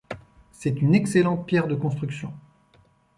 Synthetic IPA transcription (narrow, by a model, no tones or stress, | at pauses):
sɛt̪ynɛkselɑ̃t̪̚pjɛʁd̪əkɔ̃st̪χyksjɔ̃